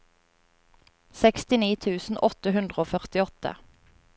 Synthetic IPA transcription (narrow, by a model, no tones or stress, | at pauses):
sɛkst̪ɪniːt̪ʰʉːsn̩ʔɔt̪əɦʉnd̪ʁəoːfœʁt̪ɪɔt̪ə̰